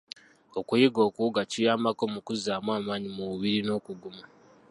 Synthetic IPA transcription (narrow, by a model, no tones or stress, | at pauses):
o̞kujiɡo̞ːkuuɡacijaːmbako̞mukuzaːmwaːmaːɲimuβuβiɾino̞ːkuɡuma